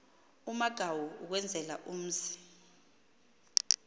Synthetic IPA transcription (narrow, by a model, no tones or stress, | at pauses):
umaɡ̥ʱawuuk̬wɛnd͡zʱɛla̰ʔum̩ːzi̥